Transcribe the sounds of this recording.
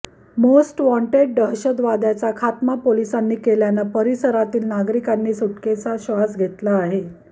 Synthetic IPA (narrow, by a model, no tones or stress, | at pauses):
mosʈʋɔ̃ɳʈeɖ̚ɖəɦɕəd̪ʋad̪jat͡sakʰat̪mapolisanːiːkeljanapəɾisəɾat̪iːlnaɡɾikanːiːsuʈket͡saɕʋad͡zɡʱet̪laːɦe